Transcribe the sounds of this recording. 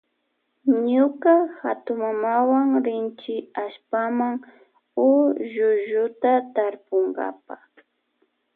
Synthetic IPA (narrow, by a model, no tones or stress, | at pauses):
ɲʊkahat̪ʊmamawaŋɾɪnt͡ʃɪaʃpamaŋ | ʊʒʊʒʊt̪at̪aɾpʊŋɡa̰pa